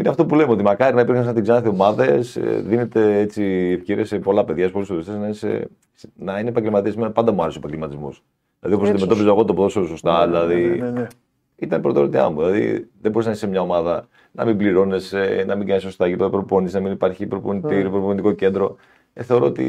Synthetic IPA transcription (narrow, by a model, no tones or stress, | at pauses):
ineɐft̪o̞pulemeo̞t̪imɐkɐɾinɐipiɾxɐns̬ɐnɐt̪iɡzɐnɐθio̞mɐðe̞sðine̞t̪e̞et͡siːefceɾḭɐse̞po̞lɐpe̞ðʝɐspo̞lisolest̪esnɐisḛ | snɐinepɐɲɟelmɐt̪iespimenɐpɐnd̪ɐmuɐɾesopɐɲɟelmɐt̪izmo̰s | ðilɐ̰ðio̞posnɐd̪ime̞t̪o̞pizoeɣo̞t̪opoðososo̞st̪ɐðilɐði | it̪ɐnpɾot̪eoɾot̪iɐ̰muðilɐðḭðebo̞ɾis̬nisemɲɐo̞mɐðɐ | nɐ̰mimbliɾo̞ne̞senɐmiŋɡɐniso̞st̪ɐʝipðɐpɾoponisnɐminipɐɾçipɾoponit̪iɾipɾoponit̪iko̞ce̞nd̪ɾo̞ | eθe̞o̞ɾo̞ot̪ḭ